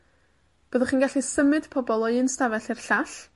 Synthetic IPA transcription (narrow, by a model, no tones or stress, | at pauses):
b̥əːðəχiːnɡaɬisəmɨd̥pʰɔbɔlˠɔɨnstavɛɬirɬaɬ